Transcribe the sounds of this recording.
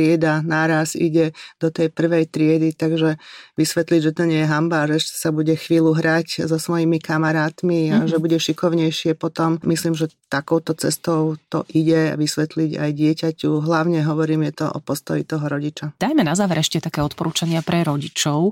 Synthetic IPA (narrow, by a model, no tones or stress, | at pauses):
ɪɛd̪anaɾasḭɟɛd̪̥ɔt̪ɛjpr̩ʋɛjt̪ɾɪɛd̪it̪aɡʒɛʋisʋɛt̪liɟʒɛt̪ɔɲɪɛjɛɦambaːʒɛɛʃɛ̥sabuɟɛxʋiːluɦɾaczɔsʋɔjimikamaɾaːt̪miaʒɛbuɟɛʃikɔʊɲɛjʃɪɛpɔt̪ɔmmisliːmʒɛt̪akɔʊt̪ɔt͡sɛ̰st̪ɔʊt̪ɔ̰ʔiɟɛa̰ʋisʋɛt̪liɟa̰jɟɪɛcacuɦlaʊɲɛɦɔʋɔɾiːmjɛt̪ɔʔɔ̰pɔst̪ɔjit̪ɔɦɔɾɔɟit͡ʃad̪̥ajmɛnazaːʋɛɾɛʃcɛt̪akɛːɔt̪pɔɾuːt͡ʃaɲɪapɾɛɾɔɟit͡ʃɔʊ